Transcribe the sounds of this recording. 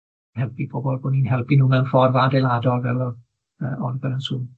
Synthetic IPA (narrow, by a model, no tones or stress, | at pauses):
hɛlˠpʰibʰoːbɔlˠboninɦɛlˠpinuːmɛnfɔrvadejladɔlˠvɛlˠɔ | əɔnbɛɾənsum